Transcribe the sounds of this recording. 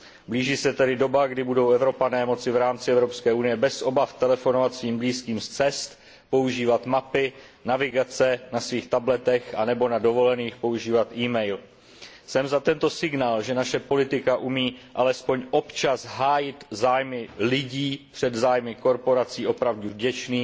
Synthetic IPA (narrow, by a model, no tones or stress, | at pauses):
bliːʒiːsɛt̪ɛdɪdo̞baɡdɪbudo̞wʔɛvɾo̞panɛːmo̞t͡sɪvɾaːmt͡sɪɛvɾopskɛːʔunɪjɛbɛsʔo̞baft̪ɛlɛfo̞no̞vat̪sviːmbliːskiːmst͡sɛst̪ | po̞uʒiːvat̪mapɪ | navɪɡat͡sɛnasviːxt̪ablɛt̪ɛxʔa̰nɛbo̞nado̞volɛniːxpo̞uʒiːvat̪ʔiːmɛjl | sɛmzat̪ɛnt̪o̞sɪɡnaːlʒɛnaʃɛpo̞lɪt̪ɪkaʔumiːʔalɛspo̞ɲʔo̞pt͡ʃasɦaːjɪt̪zaːjmɪlɪɟiːpr̥ɛd̪zaːjmɪko̞ɾpo̞ɾat͡siːʔo̞pɾavduvɟɛt͡ʃniː